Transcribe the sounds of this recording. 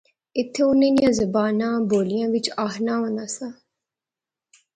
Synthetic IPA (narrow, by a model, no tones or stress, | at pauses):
ɪt̪ʰːeːʊnːẽːd̪ɪjãːzəbaːnãːboːlɪjãːʋɪt͡ʃaːɦnaːɦõːnd̪aːsãː